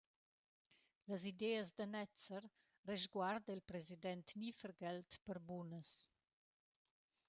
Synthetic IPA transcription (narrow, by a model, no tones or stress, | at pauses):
ləzid̪ɛːəzd̪ənɛt͡sər | rɛʒɡward̪əilpɾɛzid̪ɛnt̪nifəɾɡɛlt̪pəɾbunəs